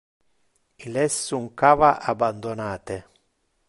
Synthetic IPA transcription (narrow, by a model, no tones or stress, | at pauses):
ilɛsːuŋkaːvaʔaband̪onaːt̪e